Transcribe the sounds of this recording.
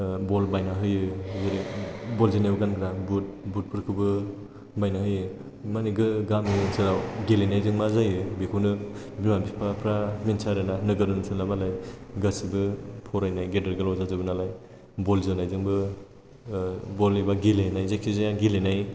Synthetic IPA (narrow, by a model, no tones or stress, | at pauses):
bɔlbajnaɦɯjɯzeɾibɔlzenajɡanɡɾabut̚but̚pʰɯɾkʰɯbɯ | bajnaɦɯjɯ | maniɡɯɡamisɯɾawɡelenajzɯŋmazajɯbikʰuwnɯ | bimabipʰapʰɾaminsaɾɯnanɯɡɯɾɯnusɯnlamalajɡasibɯpʰɔɾajnajɡedɯɾɡɯlawzazɯbɯnalaj | bɔlzɯnajzɯŋbɯ | bɔlebaɡelenajzekʰizajaɡilenaj